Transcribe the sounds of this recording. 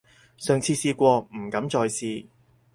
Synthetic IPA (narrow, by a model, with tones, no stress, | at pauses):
sœː˨ŋt͡sʰiː˧siː˧kʷɔː˧m̩˨˩kɐ˨˥mt͡ʃɔː˧jsiː˧